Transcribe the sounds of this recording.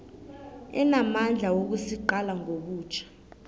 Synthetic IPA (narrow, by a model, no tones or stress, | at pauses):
ɛ̰namand͡ɮʱawok̬usiǃalaŋʱoɓuːt͡ʃʰḁ